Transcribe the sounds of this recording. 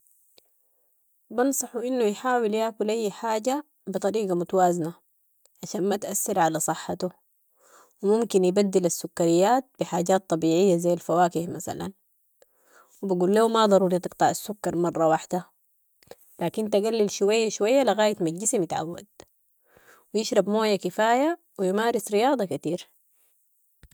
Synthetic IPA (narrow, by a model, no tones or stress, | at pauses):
bɑnsˤɑħuʔinːujħaːwiljaːkulʔajːħaːɟa | bɨt̪ˤɑɾiːɡamut̪awaːzna | ʕaʃaːnmat̪ʔasːɑɾʕalasˤɨħːat̪u | wimumkinjibad̪ːilasːukːaɾijːaːt̪̚biħaːɟaːt̪ˤːɑbiːʕɪjːazajːalfawaːkihmasa̰la̰n | wibaɡuːlːaːmad̪ˤɑɾuːɾit̪ˤɨqt̪ˤɑʕasːʊkːɑɾˤmɑrˤːɑwaħd̪a | laːkint̪aɡalːilʃuwajːaʃuwajːaliɣaːjat̪maɟɪsimjɪt̪ʕa̰wːa̰d̪̚ | wijɪʃɾˤɑbmoːjːakifaːja | wijmaːɾɪsɾijɑːd̪ˤɑkat̪iːɾ